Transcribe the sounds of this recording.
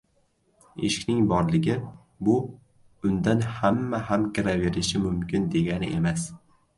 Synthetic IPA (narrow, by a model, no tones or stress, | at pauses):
ḛʃɪ̥kʲnɪŋbɒɾlɪɡʲɪ | bʊ | ʊnd̪anhamːahamkʲɪɾave̞ɾɪʃɪmʊmkʲɪnd̪e̞ɡʲanɪʔe̞mas